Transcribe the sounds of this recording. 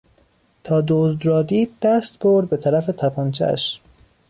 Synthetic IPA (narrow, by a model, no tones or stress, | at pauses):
t̪ʰɒːd̪ozd̪ɾɒːd̪iːd̪̚d̪æst̪boɾd̪̚be̞t̪ʰæɾæfe̞t̪ʰæpʰɒːnt͡ʃʰæ̰ʃ